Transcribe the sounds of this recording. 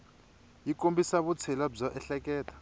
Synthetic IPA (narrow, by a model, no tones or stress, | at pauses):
ik̬ʼombisaβut͡sʰɛlab͡ʐɔʔɛɬɛk̬ʼɛːtʰḁ